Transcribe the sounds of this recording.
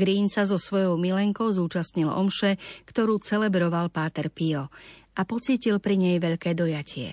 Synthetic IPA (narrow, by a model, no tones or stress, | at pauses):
ɡɾiːnsazɔsʋɔjɔʊmilɛŋkɔʊzuːt͡ʃast̪ɲilʔɔ̰mʃɛkt̪ɔɾuːt͡sɛlɛbɾɔʋalpaːt̪ɛɾpiɔʔapɔt͡siːcilpɾiɲɛjʋɛʎkɛːd̪ɔjacʰɪɛ̰